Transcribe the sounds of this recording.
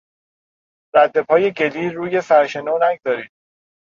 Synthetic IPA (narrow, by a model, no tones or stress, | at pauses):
ɾæd̪ːe̞pʰɒːje̞ɟe̞liːɾuːje̞sæɾʃe̞noːnæɡzɒːɾiːd̪̥̚